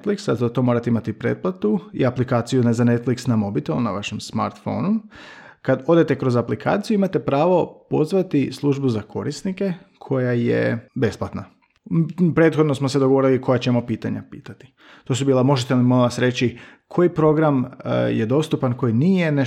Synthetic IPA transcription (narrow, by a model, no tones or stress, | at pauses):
t̪fliksazat̪o̞mo̞ːɾat̪imat̪ipɾeːt̪̚plˠat̪uḭaplikaːt̪sijunzane̞t̪fliksnamo̞bit̪olnaʋaʃemsma̰ɾt̪fo̞̰nu | kad̪o̞d̪e̞t̪e̞kɾo̞zaplikʰa̰ːt̪sijuimat̪e̞pɾaːʋo̞po̞zʋat̪islˠuʒbuzakʰo̞ɾisnike̞ | kʰo̞jajḛbe̞splˠat̪na | pɾe̞t̪xod̪no̞smo̞sed̪oɡoʋo̞ɾilikʰo̞jat͡ɕemo̞piːt̪aɲa̰pḭːt̪at̪i̥ | t̪o̞subiːlamo̞ʒet̪elimolaʋasɾe̞t͡ɕikʰo̞jipɾo̞ɡɾamjed̪o̞st̪upanko̞jinijene